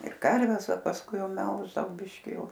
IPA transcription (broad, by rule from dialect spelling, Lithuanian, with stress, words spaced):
ɪr ˈkɐrʲʋʲɛs oː pɐsˈkʊɪ ˈjɛʊ ˈmʲɛlˠʒdɐʋɐʊ ˈbʲɪʃʲkʲɪ ˈjɛʊ